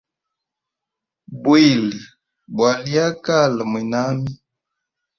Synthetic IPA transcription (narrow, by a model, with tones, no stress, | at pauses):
bwi˦˨li˨ | bwa˨li˦a˦ka˦˨lə˨mwi˨na˦mi˦